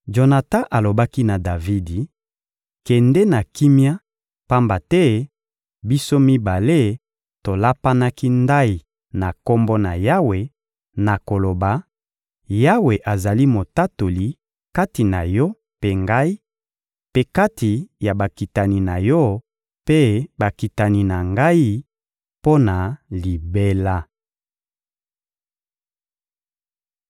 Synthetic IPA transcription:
ʒo˨na˨ta˦ʔa˨lo˨ba˦ki˦na˨da˨vi˦di˨ | kɛ˨ndɛ˦na˨ki˦mja˦ | pa˦mba˨tɛ˦ | bi˦so˦mi˦ba˨le˦ | to˨la˦pa˦na˦ki˦nda˦i˨ | na˨ko˦mbo˦na˨ja˦we˨ | na˨ko˨lo˨ba˨ | ja˦we˨ʔa˨za˨li˦mo˨ta˦to˨li˨ | ka˦ti˨na˨jɔ˦ | pe˦ŋɡa˦i˦ | pe˦ka˦ti˨ja˨ba˨ki˨ta˨ni˨na˨jɔ˦ | pe˦ba˨ki˨ta˨ni˨na˨ŋɡa˦i˦ | po˦na˨li˨be˦la˦

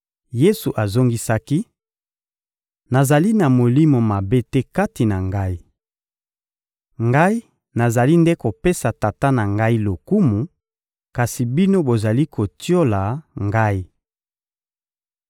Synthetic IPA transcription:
je˦su˨ʔa˨zo˦ŋɡi˦sa˦ki˦ | na˨za˨li˦na˨mo˨li˦mo˨ma˨be˦tɛ˦ka˦ti˨na˨ŋɡa˦i˦ | ŋɡa˦i˦ | na˨za˨li˦nde˦ko˨pe˦sa˨ta˨ta˦na˨ŋɡa˦i˦lo˨ku˦mu˨ | ka˨si˨bi˦no˦bo˨za˨li˦kʰo˨tjo˦la˨ŋɡa˦i˦

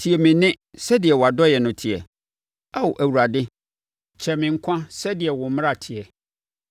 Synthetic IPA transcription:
tʰi˨ɛ˨mɪ̃˨nɪ̃˦ | sɛ˦di˨ɛ˨wɔ˨a˨dɔ˦jɛ˨nʊ̃˨tʰi˨ɛ̰˨ | a˦wo˨ʔæ˨wu˨ɾa˨dɪ˦ | t͡ɕʰɛ˨mɪ̃˨ŋ̩˦kʷʰã˦sɛ˦dɪ˨ɛ˨wʊ̃˨m˦m̃˦a˦˨tʰɪ˨ɛ˨

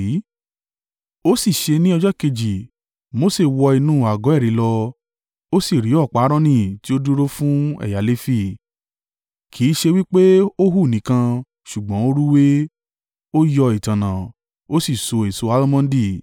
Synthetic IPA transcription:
o˦si˦˨ʃe˧nĩ˦ɔ˧d͡ʒɔ˦ke˧d͡ʒi˨ | mo˨˦se˦˨wɔ˧i˧nũː˦˨a˨ɡɔ̃˨˦ɛ˦˨ɾĩ˨˦lɔ˧ | o˦si˦˨ɾi˨˦ɔ˦˨k͡pa˨˦ɾɔ̃˦nĩ˦˨ti˦o˦du˦ɾo˦fũ˦ɛ̰˦˨ja˨˦le˦fi˦˨ | kʰi˨˦ʃe˧wi˦k͡pe˦o˦ɦu˦˨nĩ˨˦kã˧ | ʃu˨ɡ͡bɔ̃˨˦o˦ɾu˦we˦ | o˦jɔ˧i˨tã˨nã˨ | o˦si˦˨so˧e˨so˧a˦lmã˦n˦di˦˨

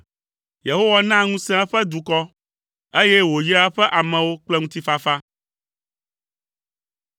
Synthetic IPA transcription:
je˨ɦo˦wa˦nã˦ŋũ˦sɛ̃˦a˦ɸɛ˦d̪u˨kɔ˦ | e˦jɛ˦wo˨ji˦a˦ɸɛ˦ʔa˨mɛ̃˨wo˦k͡plɛ˦ŋũ˦t̪i˦fa˦fa˦

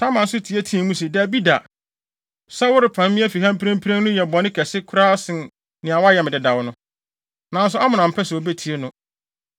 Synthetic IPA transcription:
tʰa˦mã˨n̩˦sʊ˦tʰi˨e˦tʰĩ˦˨mũ˦s̬i˨dæ˨bi˦da˨ | sa˦wʊ˦ɾɪ˨pʰã˨mmɪ̃˦fi˨ɦã˦m˦pʰɾã˦m˦pʰi˦ɾẽ˦n˦nʊ̃˦jɛ˨bɔ˨nɪ̃˦kʰɛ˨sɪ˦kʰʊ˦ɾa˦sɪ̃˨n | nɪ̃˨a˨wa˦jɛ˨m˨dɪ˨da˨wnʊ̃˦ | nã˨n̩˦s̬ʊ˦a˦mʊ̃˨nã˨m̩˨pʰɛ˦sɛ˨o˨be˦tʰi˨e˦nʊ̃˦

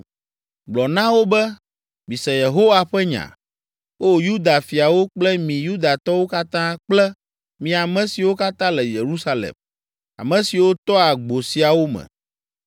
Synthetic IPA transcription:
ɡ͡blɔ˨nã˦wo˦bɛ˦ | mĩ˨sɛ˨je˨ɦo˦wa˨ɸɛ˦ɲã̰˨ | wo˦ju˦d̪a˨fi˨a˨wo˦k͡plɛ˦mĩ˨ju˦d̪a˨t̪ɔ˦wo˦ka˦t̪ã˦k͡plɛ˦ | mĩ˨a˨mɛ̃˨si˨wo˦ka˦t̪ã˦lɛ˨je˨ɾu˦sa˦lḛ˨m | a̰˨mɛ̃˨si˨wo˦t̪ɔ˦a˨ɡ͡bo˨si˨a˨wo˦mɛ̰̃˨

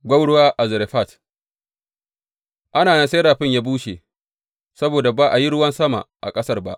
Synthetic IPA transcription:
ɡʷɐ˦wɽʊ˦waː˦ʔa˨zɪ˨ɾe˨ɸa˦˨t | ʔa˦naː˨nɐ˦nse˦ɾaː˨ɸɪ˦ɲjaː˦buː˦ʃḛ˨ | sɐ˦boː˨da˨baː˦ʔa˨ji˦ɽʊ˦wɐ˦nsɐ˦ma̰˨ʔa̰˨kʼɐ˦sɐ˦rba˦ʔ

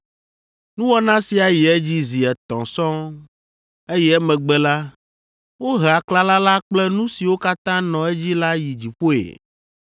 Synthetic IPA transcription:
nũ˦wɔ˦nã˦si˨a˨ji˨ɛ˦d͡ʑi˦zi˨ɛ˨t̪ɔ̰̃˨sɔ̃˦ | e˦jɛ˦ɛ˦mɛ̃˨ɡ͡bɛ˦la˦ | wo˦ɦa˨kla˦la˦la˦k͡plɛ˦nũ˦si˨wo˦ka˦t̪ã˦nɔ̃˨e˦d͡ʑi˦la˦ji˨d͡ʑi˨ɸo˦ḛ˨

